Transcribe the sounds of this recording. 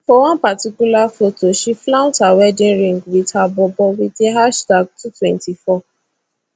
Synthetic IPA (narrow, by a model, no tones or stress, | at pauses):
fɔwãnpatikulafotoʃiflaʊ̃tawɛdẽɾĩŋɡwitʰabɔbɔwiteɦaʃtaɡ̚tutwɛ̃ntifɔ